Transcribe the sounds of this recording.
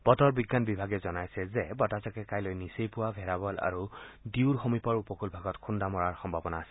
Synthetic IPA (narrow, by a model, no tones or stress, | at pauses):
b̥ɔtɔɹbiɡːanbibʱaɡɛzɔnajsɛzɛbɔtazɔkɛkajlojnisejpʊwabʱɛɹabɔla̰ɹudiʊɹxomipɔɹupɔkʰulbʱaɡɔtkʰundamɔɹaɹxɔmbʱabɔnaːsɛ̥